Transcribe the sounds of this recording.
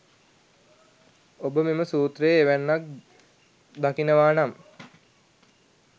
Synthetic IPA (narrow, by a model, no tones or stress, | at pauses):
obəmeməsuːt̪rejːʋænːak̚ | d̪akinəʋaːnam